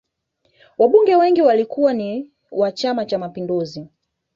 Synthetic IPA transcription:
waɓuŋɡɛwɛŋɡiwalikuwani | wat͡ʃamat͡ʃamapinduzi

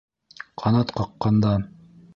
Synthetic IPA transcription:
qʰɑnɑt̪qɑqːɑnd̪ɑ

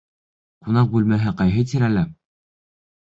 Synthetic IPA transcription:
qunɑq̚bʉlmæɦɘqɑjɦɤt̪̬iɾælæ

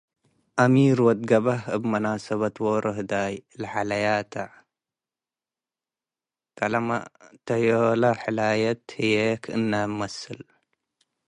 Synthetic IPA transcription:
ʔɐmiɾwɐd̪̚ɡɐβahɐbmɐnasɐβɐt̪woɾʔɐɦɨd̪ajlɐħalɐjat̪ʰaʕ | kʰʼɐlɐma̰t̪ʰɐjolɐħɨlajɐt̪hɨjekʰɨnːɐmɐsɨl

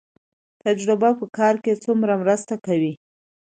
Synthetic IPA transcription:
t̪ad͡ʒɾʊbapəkɑɾket͡sumɾamɾəst̪akawi

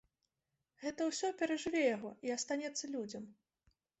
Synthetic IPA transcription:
ɣɛt̪ɐwsʲɔpʲɛɾɐʐɨvʲɛjaɣɔʔiast̪anʲɛt̪sːɐlʲud͡zʲɐm

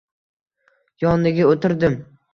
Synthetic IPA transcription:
jɒnlɪɡʲaot̪ɪɾd̪ɪm

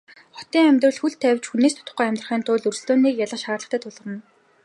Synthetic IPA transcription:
χɔt̪iːŋæmʲt̪rə̆ɮxuɮt̪ʰæwʲt͡ɕxuneːst̪ʊ̥t̪ə̥ʊ̥̆χɡuːæmʲt̪r̆χiːnt̪ʊːɮɵrs̆ɮt̪oːniːkjaɮə̆χʃaːrɮə̆χt̪ʰæːt̪ʰʊɮʁə̆ɾə̆n

